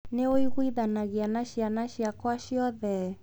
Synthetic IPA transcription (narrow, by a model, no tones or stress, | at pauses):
neoiɣwiðanaɣeanaʃianaʃiakwaʃiɔðɛ